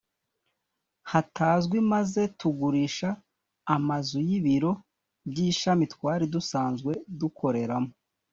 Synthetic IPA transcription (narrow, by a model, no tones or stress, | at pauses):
hatʰaːzɡwimaze̞tuɡuɾiʃaː | mazujiβiɾo̞ | bɟiːʃamitkwaːɾidusaːnzɡwe̞dukʰo̞ɾe̞ɾamo